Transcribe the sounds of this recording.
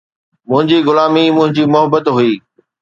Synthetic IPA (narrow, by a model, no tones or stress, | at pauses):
mʊ̃ɦɪ̃ɲd͡ʑiːɣʊlaːmimʊ̃ɦɪ̃ɲd͡ʑiːmʊɦəbət̪ɦuiː